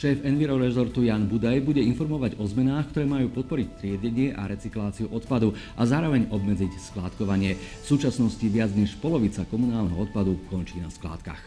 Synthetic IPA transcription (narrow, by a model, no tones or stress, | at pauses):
ʃɛːfɛnʋiɾɔɾɛzɔɾt̪ujaːnbud̪ajbuɟɛinfɔɾmɔʋaɟɔzmɛnaːxkt̪ɔɾɛːmajuːpɔt̪̚pɔɾic̚t̪ɾɪɛɟɛɲɪɛʔa̰ɾɛt͡siklaːt͡siuʔɔt̪pad̪uʔazaːɾɔʋɛɲɔbmɛd͡zicsklaːt̪kɔʋaɲɪɛfsuːt͡ʃasnɔsciʋɪad͡zɲɛʃpɔlɔʋit͡sakɔmunaːlnɛɦɔɔt̪pad̪ukɔnt͡ʃiːna̰skla̰ːt̪ka̰x